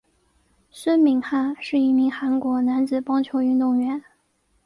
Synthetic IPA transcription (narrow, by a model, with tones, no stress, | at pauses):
swə˥nmi˧˥ŋxa˥˩nʂɻ̩˥˧i˥˩mi˧˥ŋxa˧˥nkwɔ˧˥na˧˥nt͡sɹ̩˨˩pɑ˥ŋt͡ɕʰjo˧˥ʊy˥˧nt̪ʊ˥˩ŋɥɛ˧˥n